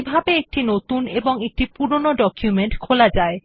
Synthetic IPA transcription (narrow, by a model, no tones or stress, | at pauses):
bʱabeek̚ʈinot̪uneboŋek̚ʈipuɾonoɖɔkjumeɳʈkʰolad͡ʑae